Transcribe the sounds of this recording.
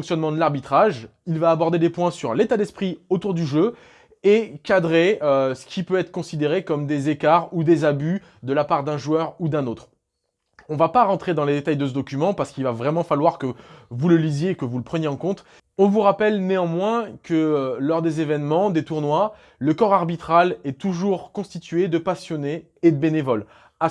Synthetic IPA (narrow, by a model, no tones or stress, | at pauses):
ɔ̃ksjɔnmɑ̃d̪əlaʁbit̪χaʒilvaːbɔʁd̪ed̪epwɛ̃syʁlet̪ad̪ɛspχiot̪uʁd̪yʒø | ekad̪ʁeøsə̥kʲʰipøɛt̪χə̥kɔ̃sid̪eʁekɔmd̪ezekaʁud̪ezaby | d̪əlapaʁd̪ɛ̃ʒwœʁud̪ɛ̃not̪χ | ɔ̃vapaʁɑ̃t̪χed̪ɑ̃led̪et̪ajd̪əs̬əd̪ɔkʲymɑ̃paʁsə̥kilvavʁɛmɑ̃falwaʁkəvuləlizjeːkəvuləpχənjeɑ̃kɔ̃t̪ | ɔ̃vuʁapɛlneɑ̃mwɛ̃kəlɔʁd̪ezevɛnmɑ̃d̪et̪uʁnwa | ləkɔʁaʁbit̪χalɛt̪uʒuʁkɔ̃st̪it̪ɥed̪əpasjɔneː | d̪əbenevɔl | a